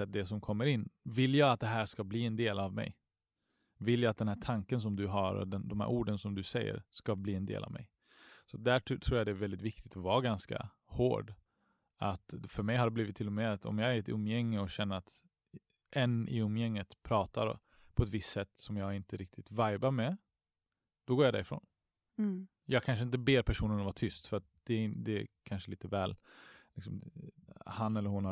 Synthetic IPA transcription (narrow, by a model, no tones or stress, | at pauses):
ɛt̪̚d̪ɛsɔmkʰɔmːəɾɪnːvɪlːjɑːɡat̪̚d̪ɛɦæːʂkabliːɛnd̪eːlavmɛ̰j | vɪljɑːat̪̚d̪ɛnhæːʈʰaŋkəns̬ɔmd̪ɵɦaɾɔ̰d̪ɛnd̪ɔmhæ̰ɾʔuːɖənsɔmd̪ɵsɛjːə̰ɾʂkabliːɛnd̪ḛːla̰vmɛ̰j | sɔat̪̚d̪æʈʰːt̪ʰɾuːjad̪ɛːvɛld̪ɪt̪vɪk̚t̪ɪt̪ɔvɑːɡanska̰ | ho̰ːɖ | at̪fœɾmɛjɦaɖɛbliːvɪt̪ʰːɪlːɔmɛːat̪ʰɔ̰mjɑːɡæɾɛt̪ɵ̰mːjɛŋːəɔɕɛnːəɾat̪ | ʔɛnːɪ̰ɵmːjɛŋːət̪pʰɾɑːt̪aɾ | pʰɔɛt̪vɪstːsɛt̪ːsɔmjɑːɡɪnt̪əɾɪk̚t̪ʰɪt̪vajbaɾmɛ | d̪̥ɔɡoːɾjad̪æ̰ɾɪfɾo̰ːn | jɑːɡkʰanʂ̬əɪnt̪̬əbeːɾpʰæʂuːnənɔvaʈʰʏst̪fœɾat̪̚d̪̥ɛd̪ɛkʰanʂəliːt̪əvɛːllɪksɔm | hanːɛlːəɾhʊnha